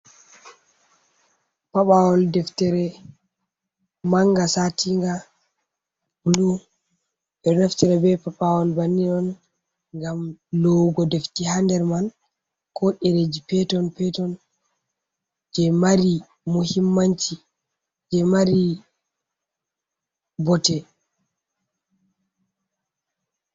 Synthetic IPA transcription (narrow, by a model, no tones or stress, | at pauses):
paɓawɔldɛftɛɾɛ | maŋɡasatʰiŋɡa | bulu | ʔɛɗɔnaftɛɾɛbɛpapawɔlbanːinɔn | ŋɡamlɔɡɔdeftihandɛɾman | kɔʔɛɾed͡ʒipɛtɔnpɛtɔn | d͡ʒɛmaɾi | muhimːant͡ʃi | d͡ʒɛmaɾi | bɔtɛ